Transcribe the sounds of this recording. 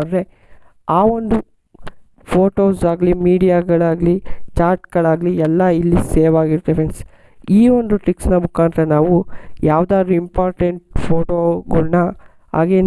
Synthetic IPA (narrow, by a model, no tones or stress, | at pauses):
ɐɖɾe | aːond̪u | pʰoːʈo̞ːsaːɡɐlimiːɽijaɡɐɭaːɡlit͡ʃaːɾʈɡɐɭaːɡliɛlːɐilːiseːʋaːɡiɾt̪eʋens | iːo̞nd̪uʈɾiksnɐmukaːnd̪ɾɐnaːʋujaːʋd̪aːd̪ɾuimpaːɾʈeɳʈ̚pʰoːʈoːɡɐɭnɐ | a̰ːɡe̞ːn